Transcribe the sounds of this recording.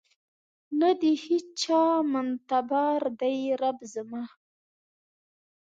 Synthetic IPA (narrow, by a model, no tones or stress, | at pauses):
nad̪ihit͡ʃɑmant̪abɑɾd̪ajɾabzəma